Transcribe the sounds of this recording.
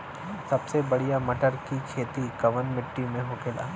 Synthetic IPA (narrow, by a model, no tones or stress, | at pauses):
sɐbsebɐɽijamɐʈəɾkikʰeːt̪ikɐʋənmɪʈːimẽɦoːkeːla̰ː